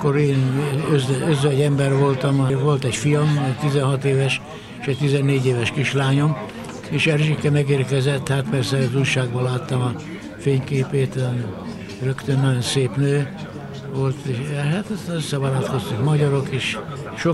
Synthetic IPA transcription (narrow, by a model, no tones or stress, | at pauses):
kːoɾeːnøzøzʋɛɟɛmbɛrʋo̞lt̪ɒmɒʋo̞lt̪ɛcfijɒmɛt̪izɛnɦɒt̪eːvɛʃ | eʃɛct̪izɛnːeːɟeːvɛʃkiʃlaːɲo̞m | eːʃɛrʒikɛmɛɡeːrkɛzɛt̪ːhat̪pɛrsɛzujʃaːɡ̚bɒlaːt̪ːɒmɒ | feːɲkeːpeːt̪ | røkt̪ønːɒɟo̞nseːpnøː | ʋolt̪ɦat̪øsːɛvɒɾɒt̪ko̞st̪ukmɒɟɒɾokeːʃ | ʃo